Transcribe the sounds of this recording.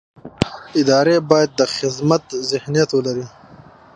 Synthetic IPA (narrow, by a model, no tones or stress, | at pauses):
ɪd̪ɑːɾebɑːjad̪̚ːəxɪzmɐt̪zɪhnijɐt̪wəlaɾi